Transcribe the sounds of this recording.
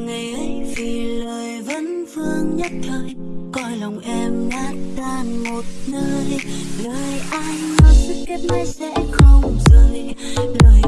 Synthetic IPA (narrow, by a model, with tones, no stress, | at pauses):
ŋa˨˩jʔə˨˦jvi˨˩ləː˨˩jvə̰˧˥nfɨ˧əŋɲə˦˥t̚t̪ʰəː˧˦j | kɔ˧jlə˨˩wŋ͡mʔɛ˧mnaː˨˦˥t̚t̪aː˨˩nmo˨˩t̚nəː˧jləː˨˩jʔa˧jŋ̟nɔ˨˦sɨ˦˥kkɛ˦˥t̚ma˧˦jsɛ̰˧˥xə˧wŋ͡mzəː˧˨jləː˨˩j